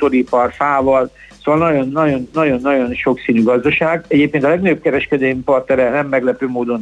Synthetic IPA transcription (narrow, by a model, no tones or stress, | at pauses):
t̪oɾipɒrfaːvɒl | soːvɒlnɒjo̞nːɒɟo̞nːɒɟo̞nːɒɟo̞nʃo̞ksiːnyɡɒzd̪ɒʃaːɡɛɟeːp̚keːnt̪ɒlɛɡnɒjop̚kɛɾɛʃkɛd̪ejmipɒrt̪nɛɾɛnɛmːɛɡlɛpøːmoːd̪o̞n